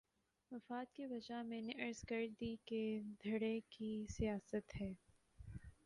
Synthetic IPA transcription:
ʋɐfaːt̪̚kibɐd͡ʒamɛ̃ːneʔɐɾzɡəɾd̪iked̪ʱɐɽekisijaːsət̪ɦɛː

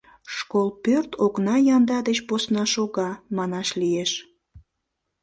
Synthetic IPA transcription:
ʃkolpørt̪ʰoknɑjɑnd̪ɑd̪et͡ɕposnɑʃoɣɑmɑnɑʃlijeʃ

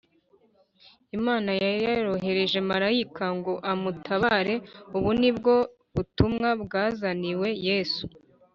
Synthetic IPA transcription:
imaːnajajaɾo̞ɦe̞ɾe̞ʒe̞maɾaikʰaŋɡo̞ʔamutʰaβaɾe̞uβunibɡo̞ | βutumŋabɡaːzaniwe̞jeːsu̥

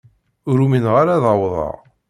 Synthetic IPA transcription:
ʊɾuminʁaɾaðɑwðˤɑ̰ʁ

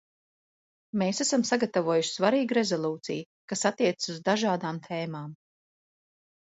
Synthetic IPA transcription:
meːsæsamsaɡat̪avuɔːjuʃsvaɾiːɡɾe̞zɔlˠuːt̪sḭj | kasat̪ːiɛt̪ɨ̥suzd̪aʒaːd̪aːmt̪ʰeːmaːm

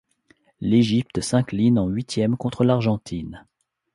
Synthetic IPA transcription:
leʒip̚t̪sɛ̃klinɑ̃ɥit̪jɛmkɔ̃t̪χəlaʁʒɑ̃t̪ʰin

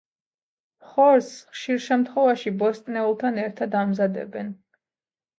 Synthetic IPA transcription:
χɔɾsχʃiɾʃɛmt̪ʰχɔvaʃibɔst̪ʼnɛulˠt̪ʰanɛɾt̪ʰad̪amzad̪ɛ̰bɛn

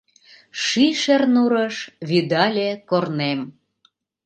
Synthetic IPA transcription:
ʃiʃernuɾəʃβid̪ɑlʲekornem

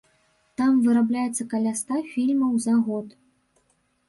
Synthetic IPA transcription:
t̪amvɨɾablʲajɛt̪sːɐkalʲast̪afʲilʲmɐwzɐɣɔt̪

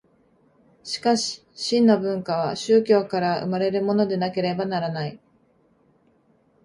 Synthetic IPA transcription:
ɕi̥kaɕi̥ | ɕĩnːobɯ̟̃ŋkaβ̞a̰ɕɨːkʲo̞ːkaɾaɯ̰maɾe̞ɾɯ̟mo̞no̞d̪e̞nake̞ɾe̞banaɾanai

